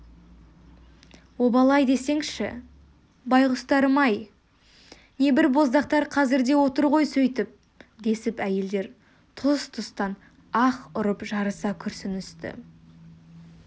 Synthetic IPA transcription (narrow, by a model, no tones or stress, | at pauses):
wobɑlˠɑjd̪e̞se̞ŋʃɪ̰ | bɑjʁʊst̪ɑɾəmɑj | ne̞bɪɾbo̞zd̪ɑqt̪ɑɾqʰɑzɪɾd̪e̞wo̞t̪əɾʁo̞jsɵjt̪ɪp̚ | d̪e̞sɪpæje̞ld̪e̞ɾ | t̪ʰʊst̪ʰʊst̪ɑn | ɑqʊɾəpʒɑɾəsɑkʲʰʏɾsɪnʏst̪ɪ̰